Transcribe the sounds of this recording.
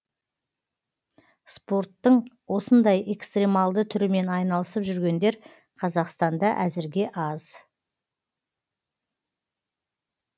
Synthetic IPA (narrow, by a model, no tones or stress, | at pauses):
spo̞rt̪ːəɴwo̞sənd̪ɑje̞kst̪remɑlˠd̪ət̪ʰʏɾɪme̞nɑjnɑlˠəsəpʒʏɾɡʲe̞nd̪e̞ɾ | qʰɑzɑqst̪ɑnd̪ɑʔæzɪɾɡʲe̞ʔɑz̥